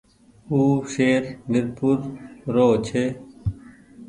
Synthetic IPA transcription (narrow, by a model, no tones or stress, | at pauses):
uːʃeːɾnɪɾpuːɾːoːt͡ʃʰeː